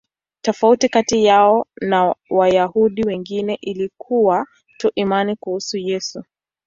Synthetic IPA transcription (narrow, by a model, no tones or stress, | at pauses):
tɔfautikatijaɔnawajahuɗiwɛŋɡinɛʔilikʰuwa | tuʔimanikuhusujɛsu